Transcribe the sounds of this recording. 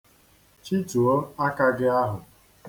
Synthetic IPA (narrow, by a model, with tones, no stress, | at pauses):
t͡ʃi˦tu˨o˦a˦ka˦ɡɪ˦a˦ɦʊ˨